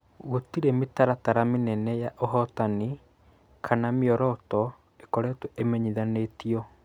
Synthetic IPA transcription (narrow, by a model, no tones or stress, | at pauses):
ɣotiɾemetaɾataɾamenɛnɛjaʔɔɦɔtani | kʰanameɔɾɔtɔ | ekɔɾɛtuemɛɲiðanetiɔ